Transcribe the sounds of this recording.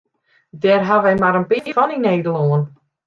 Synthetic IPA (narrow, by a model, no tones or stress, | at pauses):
dɛrɦaʋɛjmaɾənpɪfɔnineːdəloən